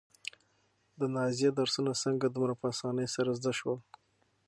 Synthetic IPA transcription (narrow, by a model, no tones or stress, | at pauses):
d̪ənɑzijed̪aɾsunasəŋɡad̪umɾapəasɑnəjsaɾazd̪aʃwal